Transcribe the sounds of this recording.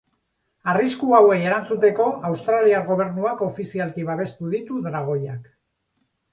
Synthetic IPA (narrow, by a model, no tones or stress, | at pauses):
ariskuawe̞je̞ɾant͡sut̪e̞ko̞ʔawst̪ɾaliaɾɣo̞β̞e̞ɾnuako̞fisialk̪iβaβ̞e̞st̪uðit̪uðɾaɣ̞o̞jak